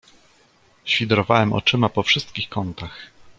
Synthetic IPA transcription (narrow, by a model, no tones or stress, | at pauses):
ɕfʲid̪ɾɔvawɛmɔ̰t͡ʂɘmapɔfʂɘst̪kʲixkɔnt̪ax